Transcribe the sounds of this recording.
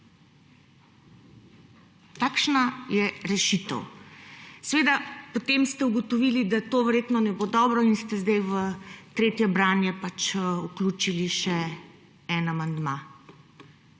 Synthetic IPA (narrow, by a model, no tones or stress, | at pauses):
t̪aːkʃnajɛɾɛʃit̪ə̰w | sʋeːd̪apot̪emst̪ɛuɡɔt̪ɔʋilid̪at̪oːʋɛɾjeːt̪nɔnɛbod̪ɔbɾɔinst̪ɛzd̪ɛjʋət̪ɾeːt̪jɛbɾaːnjɛpat͡ʃukluːt͡ʃiliʃɛ | ɛnamand̪ma